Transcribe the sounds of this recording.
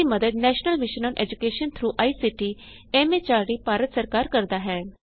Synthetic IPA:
iːməd̪əd̪nɛːʃnəlʋɪʃənɔ̃ːnʔɛ̰ːd͡ʒʊkeːʃənt̪ʰɾuːʔaːiːsiʈiːɛːmeːt͡ʃaːɾɽiːpaːɾət̪səɾkaːɾkəɾd̪aːɦɛː

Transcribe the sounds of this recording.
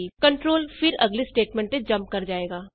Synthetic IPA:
ikɐ̃ɳʈɾoːlfɪɾɐɡlisʈeːʈmɛ̃ːɳʈẽd͡ʒɐ̃mp̚kɐɾd͡ʒaːeːɡaː

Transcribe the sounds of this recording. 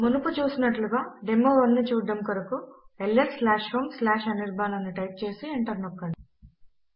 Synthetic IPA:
munuput͡ʃuːsinɐʈluɡaːɖemːoːʋɐnːit͡ʃuːɖɐmkuɾɐkuelːeɾslaːʃhoːmslaːʃɐniɾbʱaːnɐnːiʈɐjp̚t͡ʃe̞ːsieɳʈɐɾnɔkːɐɳɽi

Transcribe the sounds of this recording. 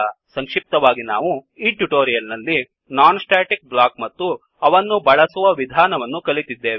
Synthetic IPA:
sɐŋkʂip̚t̪ɐʋaːɡina̰ːʋuiːʈuʈoːɾijɐlnɐlːi | naːnsʈaːʈik̚blaːkmɐt̪ːu | ɐʋɐnːubɐɭɐsuʋɐʋid̪ʱaːnɐʋɐnːukɐlit̪id̪ːe̞ːʋ

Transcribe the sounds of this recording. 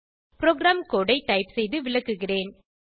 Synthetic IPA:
pɾoːɡɾaːmkoːɽɐɪʈːɐɪpsɛjðɯʋɪɭɐkːɯɣɪreːn

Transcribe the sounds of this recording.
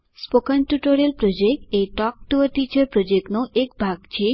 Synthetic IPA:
spokanʈuʈoɾelpɾod͡ʒek̚ʈejʈɔk̚ʈuəʈit͡ɕəɾpɾod͡ʒeknoʔekbʱaɡt͡ɕʰe

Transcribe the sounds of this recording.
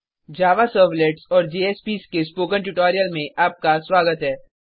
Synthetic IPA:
d͡ʒaːʋasəːɾʋleːʈsɔːɾd͡ʒeːeːspiːskespoːkə̃ɳʈʊʈɔːɾijəlmẽʔaːp̚kasʋaːɡət̪ɦɛː

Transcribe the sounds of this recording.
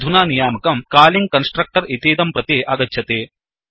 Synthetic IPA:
d̪ʱunaːnijaːmɐkɐmkaːliŋɡ̚kɐnsʈɾɐk̚ʈɐɾit̪iːd̪ɐmpɾɐt̪eːʔɐɡɐtːʃʰɐt̪eː

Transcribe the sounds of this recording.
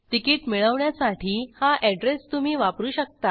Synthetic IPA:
ʈ̪ikiːʈmiɭəʋɳjasaʈʰiːhaʔɛɖɾest̪um̤iːʋapɾuːɕək̚t̪a

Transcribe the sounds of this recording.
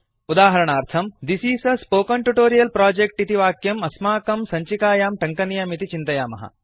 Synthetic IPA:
ud̪aːɦɐɾɐɳaːɾt̪ʰɐmd̪isiːsɐspoːkɐɳʈuʈoːɾijɐlpɾaːd͡ʒek̚ʈit̪iʋaːkjɐmɐsmaːkɐmsɐɲt͡ʃikaːjaːmʈɐŋkɐnijɐmit̪it͡ʃint̪ɐjaːmɐ̰ɦɐ̰

